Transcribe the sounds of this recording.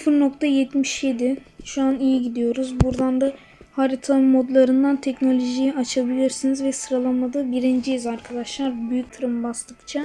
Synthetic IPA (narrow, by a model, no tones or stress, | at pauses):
sfɯɾno̞k̚t̪ʰajɛt̪miʃje̞d̪ɪ | ʃuanijiɟid̪ijo̞ɾuzbuɾd̪and̪a | haɾit̪ʰaɯmo̞d̪lˠaɾɯnd̪ant̪ʰɛcno̞lʲo̞ʒijiat͡ʃʰabilʲiɾsinizvɛsɯɾalˠamad̪ɯbiɾind͡ʒijizaɾkʰad̪aʃlˠaɾbyjyc̚ʲt̪ʰɯɾɯmbaslˠɯkt͡ʃʰa